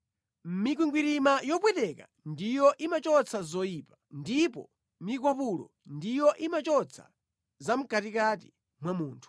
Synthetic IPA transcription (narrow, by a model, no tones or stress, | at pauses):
m̩mik̬wiŋɡwiɾimajɔpwɛtɛka̰ | ndijɔʔimat͡ʃɔt͡sʰazɔjiːpḁndipɔ̰ | mik̬wapulɔ̰ndijɔʔimat͡ʃɔt͡sʰḁ̰ | zam̩katikat̬i̥ | mwamuːntʰu̥